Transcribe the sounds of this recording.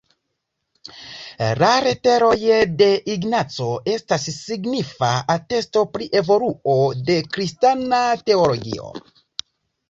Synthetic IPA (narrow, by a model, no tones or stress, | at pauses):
laɾe̞te̞ɾo̞jde̞ʔiɡnat͡so̞e̞stasːiɡnifaate̞sto̞pɾiʔe̞vo̞luo̞de̞kɾistanate̞olo̞ɡḭo̞̰